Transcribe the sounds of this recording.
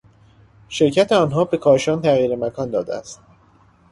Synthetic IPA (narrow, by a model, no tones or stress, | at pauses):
ʃe̞ɾcʰæt̪ʰeɒːnɦɒːbe̞kʰɒːʃɒːnt̪ʰæɣiːɾemækʰɒːnd̪ɒːd̪eæ̰st̪̚